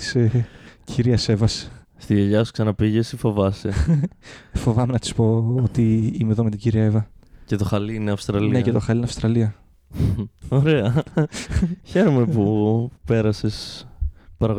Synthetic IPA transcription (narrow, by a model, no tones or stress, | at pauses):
t̪i̥secʰiɾiɐse̞vɐse̥ | st̪iʝeʝɐsu̥ksɐnɐpiʝe̞sifo̞vɐse | fo̞vɐmenɐt̪i̥spo̞ot̪iimeðomet̪iɟiɾiɐevɐce̞t̪o̞xɐliineɐfst̪ɾɐliinecet̪o̞xɐlinɐfst̪ɾɐliɐ | oɾe̞ɐ | çe̞ɾome̞pupe̞ɾɐse̞s | pɐɾɐɣ